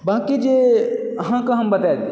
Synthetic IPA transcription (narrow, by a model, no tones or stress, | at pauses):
bãːkid͡ʒe | ɦãkɐ̃ɦɐmbət̪ad̪